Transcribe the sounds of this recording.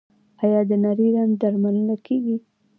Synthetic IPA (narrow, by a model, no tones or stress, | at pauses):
ajɑd̪ənaɾiɾand̪aɾmalənakʰeɡi